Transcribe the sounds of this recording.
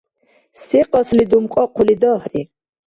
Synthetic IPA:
siqʼɔslid̪umqʼɔqʰulid̪ɔhɾi

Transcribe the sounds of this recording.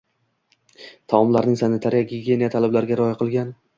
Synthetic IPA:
t̪ʰaɒmlaɾnɪŋsanɪt̪ʰaɾɪjaɡʲiɡʲe̞nijat̪ʰalɪblaɾɪɡʲaɾɒjaqʰɨlˠɡʲan

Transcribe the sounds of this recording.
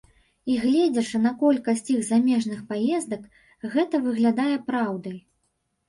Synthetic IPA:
iɣlʲɛd͡zʲɛʂɨnɐkɔlʲkɐsʲt͡sʲiɣzamʲɛʐnɨxpajɛzd̪ɐk | ɣɛt̪ɐvɨɣlʲad̪ajɛpɾawd̪ɐj

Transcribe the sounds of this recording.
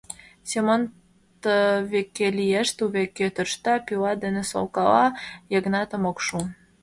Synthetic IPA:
semən | tt̪əβekːelijeʃt̪uβekːet̪ə̆rʃt̪ɑpilɑd̪eneso̰lkɑlɑjeɣnɑt̪ə̆mokʃu

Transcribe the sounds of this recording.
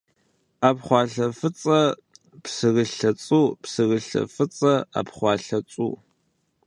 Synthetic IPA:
apχʷɑːɬɐfɨt͡sʼɐ | psɨɣɨɬɐt͡sʼuːpsɨrɨɬɐ̰fɨt͡sʼɐa̰pχʷɑːɬɐt͡sʼṵː

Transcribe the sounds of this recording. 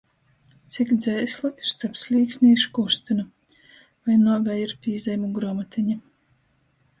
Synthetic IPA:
t̪sikd̪zɛjslˠuiɾ̥st̪apslʲiːksʲnʲiʃkust̪inu | vajnuɔvɛjiɾpʲiizʲɛjmuɡɾɔmat̪ʰiɲi

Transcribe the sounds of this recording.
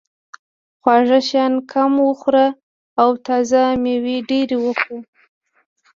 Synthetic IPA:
xwɑʐaʃjɑnkʰamwəxɾaː | wt̪ɑzameweɖeɾewəxu

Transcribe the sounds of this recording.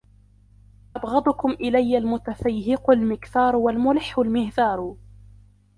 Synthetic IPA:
ʔɑbɣɑd̪ˤʊkʊmʔɪlajːalmʊt̪afajhɪqʊlmɪkθɑːɾˤwalmʊlɪħːʊlmɪhðɑːɾˤ

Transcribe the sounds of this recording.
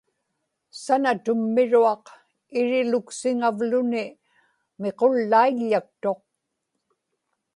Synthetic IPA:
sanat̪ʊmːɪɻuɑq | ɪɻɪlʊksɪŋavlʊnɪ | me̞qolːaiʎːak̚t̪o̞q̚

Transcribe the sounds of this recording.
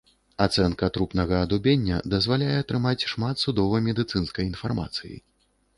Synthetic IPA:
at̪sɛnkɐt̪ɾupnɐɣɐːd̪ubʲenʲːɐ̰d̪ɐzvalʲajɛɐt̪ɾɨmat͡sʲʂmat̪sud̪ɔvɐmʲɛd̪ɨt̪sɨnskɐjin̪farma̰t̪sɨjḭ

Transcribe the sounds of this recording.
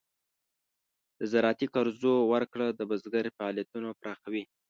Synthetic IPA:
d̪̥əzaɾɑt̪ikaɾzowaɾkɽad̪əbəzɡaɾfaɑlijat̪unopɾʔɑxawi

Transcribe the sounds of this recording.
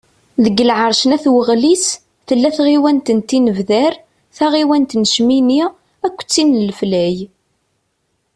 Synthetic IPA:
ðəɡːəlʕəɾˤʃənæθwəʁlis | θəlːæθʁiwænt̪ənt̪ːinəvðæɾ | θæʁiwænt̪nəʃmini | ækʷːt͡sːinəlflæj

